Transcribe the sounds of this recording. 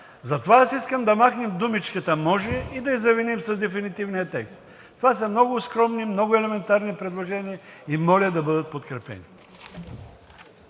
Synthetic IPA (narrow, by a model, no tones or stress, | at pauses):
zɐt̪ovaasiskəmd̪ɐmaxnɛmd̪umit͡ʃkət̪əmɔʒɛid̪ɐizɐvinimsɐzd̪ɛfinit̪ivnijət̪ɛkst̪ | t̪ovasɐmnɔɡʊskɾɔmnimnɔɡʊɛlɛmɛnt̪aɾnipɾɛd̪lˠoʒɛniəimɔlʲəd̪ɐbɤd̪ət̪̚pot̪kɾɛpɛ̰nḭ